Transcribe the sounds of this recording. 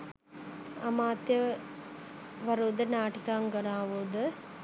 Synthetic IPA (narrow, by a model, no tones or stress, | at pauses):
ɐmaːt̪jɐ | ʋɐɾoːd̪ɐnaːʈikaːŋɡɐɽaːʋoːd̪ɐ